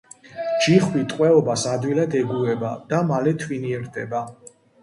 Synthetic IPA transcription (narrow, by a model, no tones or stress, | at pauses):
d͡ʒiχwit̪ʼqʼwɛɔbasad̪wilad̪ɛɡuɛbad̪̥amalɛt̪ʰwiniɛɾd̪ʰɛba